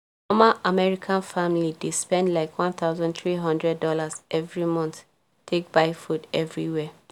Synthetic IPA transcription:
ɔmaʔamɛɹikʰãnfamlidispɛ̃ndlaɪkʰwɔ̃nθaʊzãndθɹiɦɔ̃ndɹɛdːɔlazʔɛvɹimɔ̃nθ | tʰek̚b̥aɪfudɛvɹiwɛ

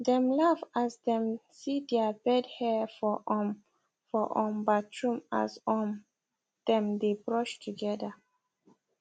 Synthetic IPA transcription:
dɛ̃mlavasdɛ̃msidɛabɛdhɛfɔ | fɔʔɔ̃mbatʰɹũma̰sɔ | d̥ɛ̃mdebɹɔʃtʰuɡɛda

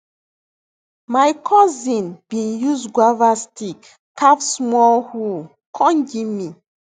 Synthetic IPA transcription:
majkʰɔzĩnb̥ĩnjuzɡwavastikː | afsmɔlhu | kʰɔ̃nd͡ʒimi

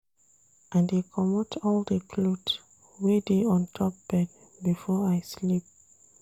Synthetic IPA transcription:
ʔãndekʰɔmɔtʰɔldəpʰlut | wedeɔ̃ntʰɔp̚b̥ɛd̚ | bifɔajslip̚

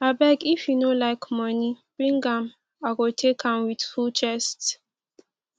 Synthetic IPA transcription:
abɛkifjunolaɪkmɔnib̥ɹĩŋɡãm | aɡotʰekʰãmwidfut͡ʃɛst

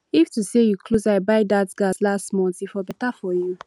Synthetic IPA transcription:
iftusejukʰluzaɪbaɪdatɡ̥aslastmɔ̃ntifɔbɛtafɔju

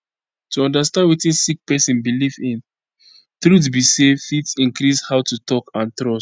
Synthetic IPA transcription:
tuɔ̃ndastãndwitĩnsik̚pɛsĩnbilivĩn | θɹut̬bisefitĩnkɾishaʊtutɔkãnt̪ɾɔs

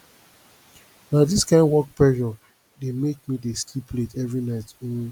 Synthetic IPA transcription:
naʊdiskãɪ̃ndwɔk̚pɛʒɔ | demek̚mideslipletɛvɹinaɪt

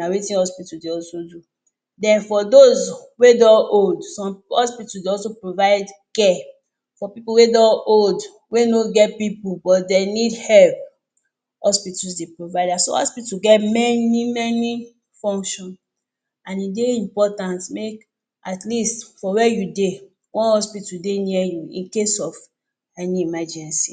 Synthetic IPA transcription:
nawitĩnhɔspitudeɔlsodu | dɛ̃nfɔdozwedɔ̃oldsɔ̃mhɔspitusdeɔlsopɹovaɪdkɛ | fɔpipuwedɔ̃old | wenoɡɛtpipubɔtdenidhɛlp | hɔspitusdepɹovaɪdasohɔ̰spituɡɛtmɛnimɛni | fɔ̃ŋkʃɔ̃n | ãnideĩmpɔtãntmek | ʔatlistfɔwɛjude | wɔ̃nhɔspitudeniɛjuḭ̃nkesɔv | aniimad͡ʒɛ̃nsḭ

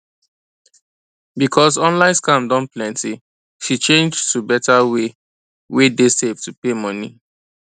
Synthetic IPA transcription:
bikʰɔsɔ̃nlãɪ̃nskãmdɔ̃nplɛ̃nti | ʃit͡ʃẽnd͡ʒtubɛtawe | wedesevtupemɔnḭ

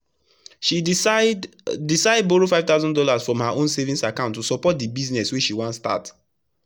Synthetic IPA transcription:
ʃi | disaɪd̚boɹofaɪvtaʊzɔ̃ndɔlasfɹɔ̃mhaʔõnsevĩnsakãʊ̃ntːusɔpɔt̚dibiznɛswiʃiwãnsta̰t

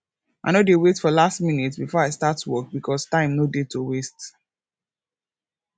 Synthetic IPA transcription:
a̰nodewetfɔlastminitsbifɔaɪstatwɔk̚bikʰɔstãɪ̃mnodetowest

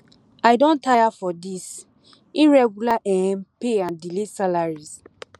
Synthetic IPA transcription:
aɪdõntʰajafɔdis | iɹɛɡulaʔɛnpeãndilesalaɹiz

